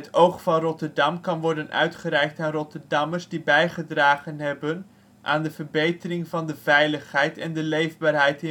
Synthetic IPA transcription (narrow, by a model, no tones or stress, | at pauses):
ətowχfɑnrɔtəɹdɑmkɑnʋɔɹdənʔœ̰ɥtχərɛjk̚taːnrɔtəɹdɑməɹzdibɛjχədraːχənɦɛbən | ʔa̰ːndəvəɹbejtərɪŋvɑndəv̥ɛjləχɦɛjtɛndəlejvbaːɹɦɛjtɪ